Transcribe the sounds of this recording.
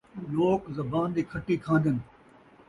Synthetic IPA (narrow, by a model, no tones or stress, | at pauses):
loːkzɐbaːnd̪iːkʰɐʈikʰãːnd̪ənɪ̆